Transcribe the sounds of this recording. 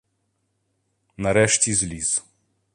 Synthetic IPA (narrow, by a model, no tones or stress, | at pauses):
naɾɛʃt̪izliz